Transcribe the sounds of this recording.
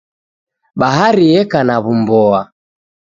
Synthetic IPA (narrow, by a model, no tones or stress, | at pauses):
ɓaɦaɾiɛkanaβumbɔa